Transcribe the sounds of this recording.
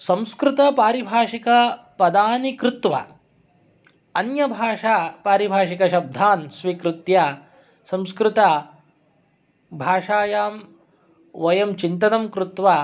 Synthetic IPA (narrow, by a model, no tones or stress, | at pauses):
sɐ̃mskɾut̪ɐpaːɾibʱaːʂikɐ | pɐd̪aːnikɾut̪ʋɐ̰ | ɐnjɐbʱaːʂaːpaːɾibʱaːʂikɐʃɐb̚d̪ʱaːnsʋikɾut̪ja | sɐ̃mskɾɪt̪ɐ | bʱaːʂaːjaːm | ʋɐjɐmt͡ʃint̪ɐnɐmkɾut̪ʋɐ